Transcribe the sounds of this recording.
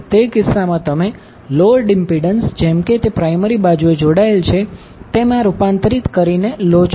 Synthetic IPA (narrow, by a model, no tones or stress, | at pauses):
t̪ekɪsamãt̪əme | loəɖɪmpiɖənsd͡ʒemket̪epɾajməɾibad͡ʒued͡ʒoɽaelt͡ʃʰe | t̪emãɾupãnt̪ɾit̪kəɾinelot͡ʃ